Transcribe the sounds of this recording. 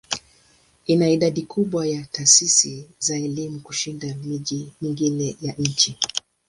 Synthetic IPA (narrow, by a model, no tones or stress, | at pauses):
inaiɗaɗikʰuɓwajataːsisizaɛlimukuʃindamiʄimiŋɡinɛjaɲ̩t͡ʃi